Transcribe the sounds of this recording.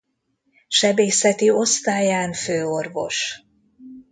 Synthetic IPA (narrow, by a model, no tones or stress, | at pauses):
ʃɛbeːsɛt̪io̞st̪aːjaːnføːo̞rvo̞̰ʃ